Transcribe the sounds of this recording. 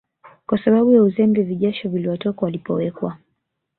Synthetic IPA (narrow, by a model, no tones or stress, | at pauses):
kwasaɓaɓujauzɛmbiviʄaʃɔviliwɔtɔkawalipɔwɛkwa